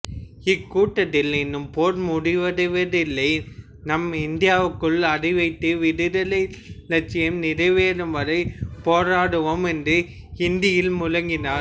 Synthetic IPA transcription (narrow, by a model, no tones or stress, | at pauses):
ɪkːuːʈːɐt̪ːɪlɪnːɯmpoːɾmʊɽɪʋɐðɪʋɐðɪlːɐɪ | nɐmɐɪnd̪ɪjaːʋɯkːɯɭɐɽɪʋɐɪt̪ːɯʋɪɾɪɾɐlɐɪlɐt͡ʃːɪjɐmnɪɾɐɪʋeːɾɯmʋɐɾɐɪpoːɾaːɽɯʋomɛndrɯ | ɪnd̪ɪjɪlmʊlɐŋɡɪnaː